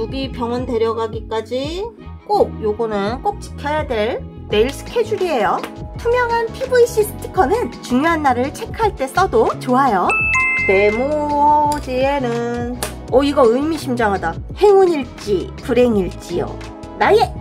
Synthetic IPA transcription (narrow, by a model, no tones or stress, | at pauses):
jubipjʌŋʌnde̞ɾjʌɡaɡik͈ad͡ʑi | k͈ok̚joɡonɯnk͈ok̚t͡ɕi̥kʰjʌjadwe̞ɭ | ne̞iɭs͈ʰɯ̥kʰe̞d͡ʑuɾiɦe̞jotʰumjʌŋɦanpʰibuiɕ͈isʰɯ̥tʰi̥kʰʌnɯnt͡ɕuŋjoɦanːaɾɯɭt͡ɕʰe̞kʰaɭt͈e̞s͈ʌdot͡ɕoɦajone̞mo | d͡ʑienɯn | ʌiɡʌɯmiɕʰimd͡ʑʌŋɦadahe̞ŋuɲiɭt͡ɕ͈ḭpuɾe̞ŋiɭt͡ɕ͈ijo̰ | naje